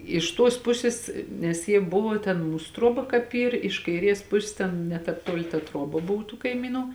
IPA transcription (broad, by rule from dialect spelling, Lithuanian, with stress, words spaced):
ɪʃ ˈtuɔs ˈpʊsʲɪs nʲɛs ˈjiɛ ˈbʊʋoː tʲɛn ˈmuːs ˈtruɔbɐ kɑːp ˈiːr ɪʃ kɐɪˈrʲiɛs ˈpʊsʲɪs ˈtʲɛn nʲɛ ˈtɑːp ˈtuɔlʲɪ tɐ ˈtruɔbɐ ˈboːw tuː kɐɪˈmʲiːnʊ